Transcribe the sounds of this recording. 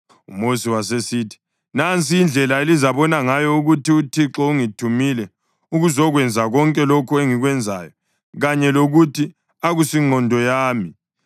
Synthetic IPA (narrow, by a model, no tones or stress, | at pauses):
umosiwas̬esitʰi̥ | nant͡sʼiːnd͡ɮʱɛlaelizaβɔnaŋajɔuɣutiutʰiǁɔuŋitʰumilɛ | uɣuzɔɣwɛnd͡zʱaɣɔŋkʼɛlokʰueŋiɣwɛnd͡zʱa̰jɔ | ɣaɲɛloɣuti | aɣusiŋ͡ǃʱɔndʱɔjaːmi